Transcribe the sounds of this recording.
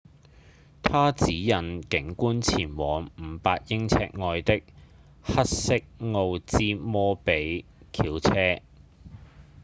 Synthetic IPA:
t̪ʰaː˥t͡siː˨˥jɐ˨nkɪ˨˥ŋkuː˥nt͡sʰiː˨˩nwɔː˨˩ŋm̩˨˩paː˧t̚jɪ˥ŋt͡sʰɛ̰ː˧k̚ŋɔː˧jt̪ɪ˥k̚ | hɐ˥t̚sɪ˥k̚ŋo˧wt͡siː˥mɔː˥pe˨˥jkʰiː˨˥wt͡sʰɛː˥

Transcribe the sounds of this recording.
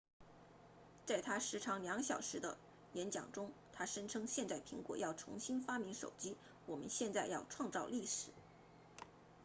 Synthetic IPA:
t͡sa˥˩ɪt̪ʰa˥ʂɻ̩˧˥ʈ͡ʂʰɑ˧˥ŋljɑ˧˥ŋɕjɑ˨˩ʊʂɻ̩˧˥d̪ə˧ | jɛ˧˥nt͡ɕjɑ̰˨˩ŋʈ͡ʂʊ˥ŋt̪ʰa˥ʂə˥nʈ͡ʂʰɤ˥ŋɕjɛ˥˧nt͡sa˥˩ɪpʰi˧˥ŋkwɔ̰˨˩jɑ˥˩ʊʈ͡ʂʰʊ̰˧˥ŋɕi˥nfa˥mi˧˥ŋʂo̰˨˩ʊt͡ɕi˥ | wɔ˨˩mə̰˦nɕjɛ˥˧nt͡sa˥˧ɪjɑ˥˧ʊʈ͡ʂʰwɑ˥˧ŋt͡sɑ˥˧ʊli˥˩ʂɻ̩˨˩˦

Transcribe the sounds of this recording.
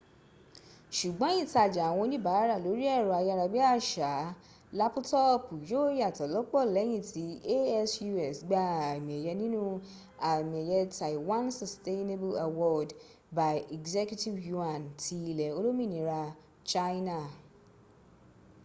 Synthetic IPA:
ʃu˨ɡ͡bɔ̃˨˦ĩ˦˨ta˧˨d͡ʒa˨w̃ɔ̃˧nĩ˦ba˨˦ɾa˦˨lo˨˦ɾi˦ɛ˦˨ɾɔ˨a˧jɾa˧bi˦a˦˨ʃa˨˦ | la˦pu˦tɔ˦pu˨jo˦ja˨tɔ˨lɔ˨˦k͡pɔ˦˨lɛ˨˦j̃ĩ˦˨tʰi˨˦e˦ɛ˦sju˧ɛ˨sɡ͡ba˧a˨mĩ˨ɛ˨jɛ˧nĩ˦nũ˦ | a˨mĩ˨ɛ˨jɛ˧ta˨iwã˦nsɔ˨ste˦ne˦bo˦a˨wɔ˦d | ba˨jɛ˨ɡzɛ˦kju˦ti˦vju˧˦a˨nti˧i˧lɛ˨o˧lo˦mĩ˦˨nĩ˨˦ɾa˧ | t͡ʃa˦jna˦˨

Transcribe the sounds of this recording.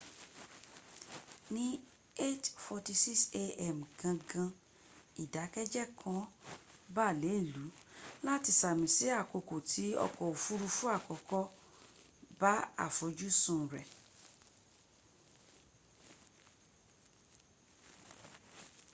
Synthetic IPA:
nĩ˦ | e˦tfɔ˧ti˧si˦kse˧ɛ˦m̩˨ɡã˧ɡã˧ | i˨da˨˦kɛ˦d͡ʒɛ˦kʰɔ̃˧˦ba˦˨le˨˦i˦˨lu˨˦la˦ti˧sa˨mĩ˨si˨˦a˦˨ko˧ko˨tʰi˨˦ɔ̰˧kɔ˨o˨fu˦ɾu˧fũ˦a˦˨kɔ˨kɔ˧ | ba˦a̰˦˨fo˨˦d͡ʒu˦sũ˦˨ɾɛ˨

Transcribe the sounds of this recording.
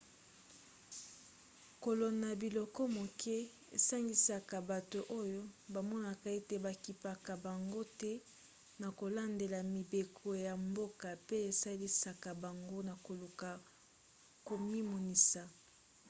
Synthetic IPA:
ko˨lo˨na˨bi˨lɔ˨kɔ˦mo˨kʰɛ˦ | e˨sa˦ŋɡi˨sa˨ka˨ba˨to˨ʔo˦jo˦ba˨mɔ˦na˨ka˨e˦te˨ba˨ki˨pa˨ka˨ba˨ŋɡo˦tɛ˦ | na˨ko˨la˦nde˨la˨mi˨be˨kʰo˨ja˨mbo˦ka˨pe˦e˨sa˦li˦sa˨ka˨ba˨ŋɡo˦na˨ko˨lu˨ka˨ | ko˨mi˦mo˨ni˨sa˨

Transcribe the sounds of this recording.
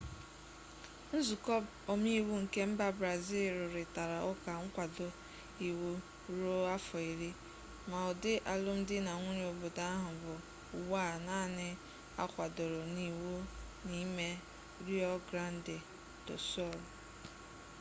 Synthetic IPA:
n̩˦zu˨kɔ˦b | ɔ˨m˦i˦wu˦ŋ̩˨ke˦m̩˦ba˦bɾa˨zi˦lɾʊ˨ɾɪ˨ta˨ɾa˨ʔʊ˦ka˨ŋ̩˦kʷa˨do˨ | i˨wu˦ | ɾo˦a˦fɔ˨i˨ɾi˦ | ma˨ɔ˨dɪ˦ʔa˨lʊ˦m̩˦dɪ˦na˨ŋʷʊ˦ɾo˨bʊ˨da˦a˦ɦʊ˨ɡʊ˨ | wa˦˨naː˦nɪ˦ | a̰˦kʷa˨do˨ɾo˨ni˨wu˦ni˦me˦ | ɾi˦ɔ˦ɡɾa˦n˦dɪ˨ | dʊ˨sɔ˦˨l

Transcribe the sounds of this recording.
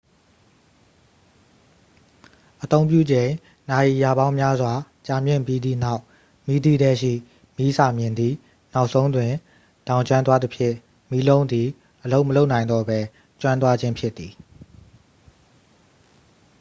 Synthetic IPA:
ʔət̪õ˦ʊ̃pjṵ˦˨d͡ʑẽ˨ɪ̃ | na˨ji˨ja˨bã˦ʊ̃mja˦zwa˨ | t͡ɕa˨mjɪ̰̃˦˨mpji˦d̪ḭ˦˨na˦ʊʔ | mi˦d̪i˦ɾɛ˦ʃḭ˦˨ | mi˦sʰa˨mjɪ̃˨nd̪ði˦˨ | na˦ʊʔsʰõ˦ʊ̃ndwɪ̃˨ | d̥ã˨ʊɲt͡ɕwã˦nt̪wa˦d̪ə˦pʰjɪ̰̃˦˨ | mi˦lõ˦ʊ̃nd̪i˨ | ʔəlo˦ʊʔməlo˦ʊʔnã˨ɪ̃nd̪ɔ˦bɛ˦ | t͡ɕwã˦nt̪wa˦d͡ʑɪ̃˦mpʰjɪ˦t̪ːi˨

